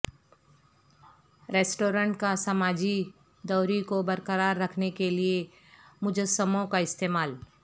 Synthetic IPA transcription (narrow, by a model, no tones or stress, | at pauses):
ɾeːsʈoːɾə̃ɳʈkasamaːd͡ʒi | d̪ɔːɾikobɐɾkəɾaːɾːɐkʰnekelie | mʊd͡ʒəsəmõkaɪst̪eːmaːl